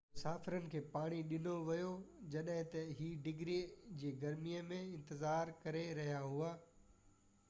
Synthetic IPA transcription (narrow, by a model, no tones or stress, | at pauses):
mʊsaːfɪɾənɪ̆kʰeːpaːɽ̃iɗɪnoʋɐjod͡ʑɐɗɦɪ̃t̪ɐɦiːɖɪɡɾid͡ʑiːɡɐɾmijəmẽɪ̃nt̪ɪzaːɾkɐɾeɾɐɦjaɦuaː